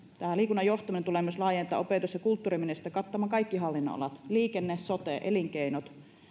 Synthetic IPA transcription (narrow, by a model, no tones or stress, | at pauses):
t̪æːliːkunːɑjoht̪ɑminent̪ulemːˑɑslɑːjent̪ˑɑ̰ʔopeˑt̪usjɑkult̪ːuːrimenest̪ːækɑt̪ːɑmɑːkɑikːiɦɑlːinːo̰ɑ̰lɑt̪liːkenːessot̪ḛʔeliŋkeinot̪